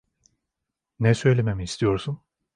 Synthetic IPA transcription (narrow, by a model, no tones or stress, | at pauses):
nɛsø̞jlʲememiːst̪ʰijo̞ɾsun